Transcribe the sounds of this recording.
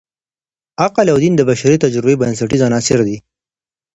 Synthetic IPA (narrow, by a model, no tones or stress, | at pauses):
aqalawd̪ind̪əbaʃaɾit̪ad͡ʒɾɪbeibans̬aʈizanɑsɪɾd̪i